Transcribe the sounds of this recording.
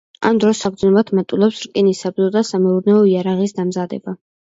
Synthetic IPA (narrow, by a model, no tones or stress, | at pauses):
a̰md̪ɾɔsːak̚ʰʼd̪znɛbat̪ʰmat̪ʼulˠɛpsɾkʼinisabzɔd̪asamɛuɾnɛɔiaɾaʁisd̪amzad̪ɛ̰ba